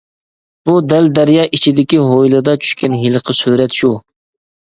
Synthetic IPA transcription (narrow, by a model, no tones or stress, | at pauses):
b̥ud̪ɛld̪æɾjɑːʔit͡ʃʰid̪ɪkʲiɦojlˠɨd̪ɑt͡ʃʰy̥ʃkʲɛnɦilˠəqʰəsyɾɛt̪ʃu